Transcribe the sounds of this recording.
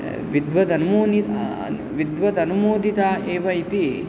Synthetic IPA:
ʋid̪ʋɐd̪ɐnumoːnḭ | ʋid̪ʋɐd̪ɐnumoːd̪ʱit̪aːʔeːʋɐit̪i

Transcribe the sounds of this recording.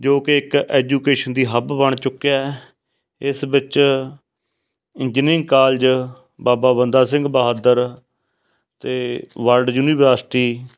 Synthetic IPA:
d͡ʒoːkɪɪkɛːd͡ʒuːkeːʃənd̪iːɦəbbəɳ̃t͡ʃʊkːeɛː | ɪsbɪt͡ʃ | ɪɲd͡ʒɪnɪ̃ŋɡkaːld͡ʒ | baːbaːbənd̪aːsɪ̃ŋɡbəɦad̪əɾ | t̪eːʋəlɖjuːniːʋəːɾsʈiː

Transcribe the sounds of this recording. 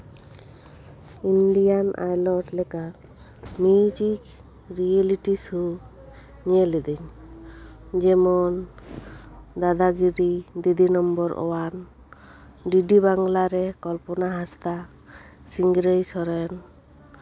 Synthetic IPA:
inɖijanʔa̰jlɔʈlɛka | mud͡ʒik | ɾieliʈisu | ɲelid̪iɲ | d͡ʒɛmɔn | d̪ad̪aɡiɾid̪id̪inɔmbɔɾɔ̰wan | ɖiɖibaŋɡlaɾɛkɔlpɔnaɦast̪a | siŋɡɾəjsɔɾɛn

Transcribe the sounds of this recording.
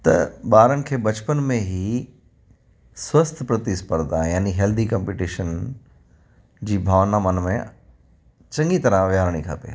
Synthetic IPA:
t̪ɐ̰ɓaːɾənɪ̆kʰeːbɐt͡ɕpənmẽɦi | swɐst̪ʰpɾɐt̪ispəɾd̪ãːjaːniɦɛːld̪ʱikɐ̃mpiʈiːʃən | d͡ʑiːbʱaːʋnaːmənmẽ | t͡ɕɐ̃ŋɡit̪ɐɾãʋjaːɾɽ̃ikʰɐ̰pḛː

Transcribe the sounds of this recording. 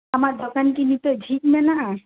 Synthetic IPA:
amaɾd̪ʱɔkankinit̪ɔd͡ʒʱik̪mɛnaʔ

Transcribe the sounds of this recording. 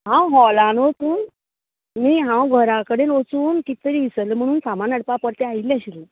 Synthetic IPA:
ɦãwɦɔlãnot̪uːn | miːɦãwɡʱəɾakəɽenot͡suːnkit̪əɾiːʋisəlem̤əɽ̃uːnsamanəɽpapəɾt̪eaɦilːaɕile

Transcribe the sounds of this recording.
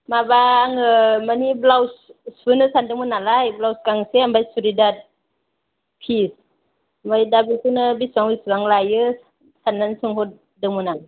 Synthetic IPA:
mabaːŋɯmaniblawssbɯnɯsandɯŋmunalajblawskaŋseambajsuɾidat̪̚ | pʰis | mbajdabisɯnɯbisaŋbisaŋlajɯ | sanːansuŋhot̚ | dɯŋmɯna

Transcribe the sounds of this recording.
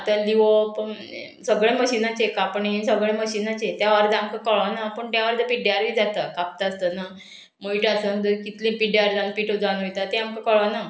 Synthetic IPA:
at̪əliʋop | səɡɭeməɕinat͡ɕekapɳinsəɡɭeməɕinat͡ɕet̪jaʋəɾd̪əamkakəɭʋanapəɳt̪jaʋəɾd̪əpiɖeaɾʋiːd͡zat̪əkap̚t̪aəst̪əna | moiʈasənd̪əkit̪lĩpiɖeaɾd͡z̪ãn̚piːʈod͡zanɦojt̪at̪eamkakəɭʋana

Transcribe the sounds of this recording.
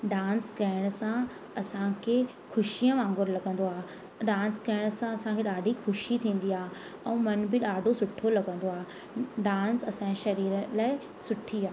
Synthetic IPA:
ɖaːnskɐɦɪɽ̃sã | ɐsãkʰe | xʊʃijə̃ʋãːŋɡʊɾlɐɡə̃n̆d̪oaː | ɗãːnskɐɪɽ̃ʊsãɐsãkʰeɗaːɖʱixʊʃit̪ʰĩːn̆d̪iaː | ɛ̃ːmɐnbɪɗaːɖʱosʊʈʰolɐɡə̃nd̪oaːɦ | ɖaːnsɐsãʃɐɾiːɾəlaːɪ | sʊʈʰiaː

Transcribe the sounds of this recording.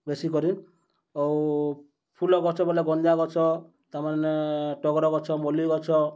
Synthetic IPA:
besikɔɾin | ɔw | pʰulɔɡɔɾt͡ʃʰɔbɔleɡɔnd͡ʒaɡɔt͡ʃʰɔ | t̪amaneʈɔɡɾɔɡɔt͡ʃʰɔmɔliɡɔt͡ʃʰɔ

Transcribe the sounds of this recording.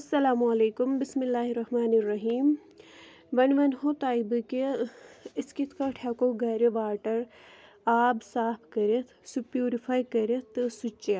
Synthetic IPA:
ɐsːɐlaːmuɐleːkumbɪsmilːaːɦiɾɐhmaːniɾːɐɦiːm | ʋɐnʋɐnɦot̪aːibɨke | iskit̪ʰkɐʈʰɐkoɡɐɾeʋaːʈɐɾ | aːbsaːpʰkɐɾet̪ʰsupjuːɾipʰaːjkɐɾet̪ʰsut͡ʃːa

